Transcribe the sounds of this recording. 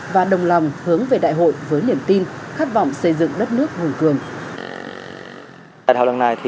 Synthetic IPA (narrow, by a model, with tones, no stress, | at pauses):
vaː˨˩ɗə˨˩wŋ͡mla˨˩wŋ͡mhɨ˨˦əŋve˨˩ɗa̰ː˧˨jɦo̰˧˨jvəː˨˦jni˧˩əmt̪i˧nxaː˦˥t̚vɔ̰˧˨wŋ͡msə˧jzɨ̰˧˨ŋɗə˦˥t̚nɨ˦˥ək̚mu˨˩ənkɨ˨˩əŋ | a̰ː˧˨tha̰˧˨wlə˧˩ŋna˨˩jt̪ʰi˨